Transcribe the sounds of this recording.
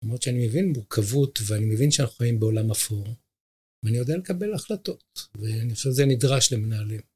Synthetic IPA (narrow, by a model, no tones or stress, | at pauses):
lamʁot̪t͡ʃʃeanimevinmuʁkʰavut̪veanime̞vinʃeanaχuojimbeo̞lamafoʁ | veanijo̞d̪ealekabe̞laχlato̞t̪veanioʃevzenidʁaʃleminaːlem